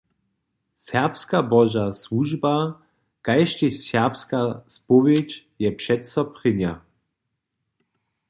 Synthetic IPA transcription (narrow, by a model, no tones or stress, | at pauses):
sɛʁpskabɔʒaswuʒba | kajʃt͡ɕɛɕɛʁpskaspɔvjɛt͡ɕ | jɛpʂɛt̪sɔpχɪɲa̰